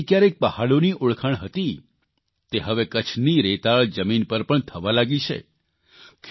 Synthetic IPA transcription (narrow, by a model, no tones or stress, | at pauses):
kjaɾek̚pəhaɭoniʔʊɭkʰəɳɦət̪i | t̪eɦəʋekət͡ʃʰniɾet̪aɭd͡ʒəminpəɾpəɳt̪ʰəʋalaɡit͡ʃʰḛ | kʰ